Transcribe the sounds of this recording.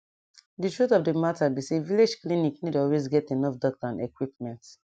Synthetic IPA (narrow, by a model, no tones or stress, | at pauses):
dɨtɹutɔvdəmatabiseviled͡ʒkliniknidɔlwezɡɛtenɔfdɔk̚tãnekwip̚mɛ̃nt